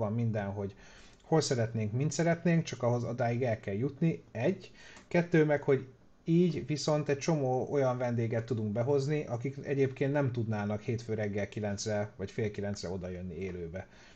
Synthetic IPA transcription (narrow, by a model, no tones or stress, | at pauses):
ɒmːind̪ɛnɦo̞ɟ | ho̞lsɛɾɛt̪neːŋkmint̪sɛɾɛt̪neːŋk̚t͡ʃɒkɒɦo̞zɒd̪aːjiɡɛlkɛljut̪niɛɟːkɛt̪ːøːmɛkho̞ɟ | iːɟviso̞nt̪ɛc̚t͡ʃo̞moːʔo̞jɒɱvɛnd̪eːɡɛt̪ːud̪uŋk̚bɛɦo̞zniʔɒkikɛ̰ɟeːpkeːnt̪nɛmt̪ud̪naːnɒkheːt̪føːɾɛɡːɛlkilɛnt̪srɛvɒcfeːlkilɛntsrɛ̰o̞d̪ɒjønːieːløːbɛ